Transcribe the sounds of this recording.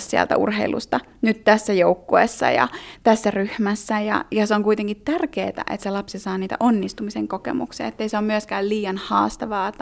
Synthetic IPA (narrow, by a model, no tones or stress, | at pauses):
ssiæ̰lt̪æ̰ṵrɦeilṵst̪ɑ | nyt̪t̪æsːæjoukːoḛsːɑ̰jɑ̰t̪æsːæryhmæsːæjɑ̰jɑseoŋkuit̪eŋkit̪tærkeːt̪æ̰ʔet̪selɑpsisɑːniːt̪æ̰ʔonːist̪umiseŋkokḛmṵksiɑ̰et̪ːeiseommyøskæːlliːjɑnhɑ̰ːst̪ɑʋɑːt̪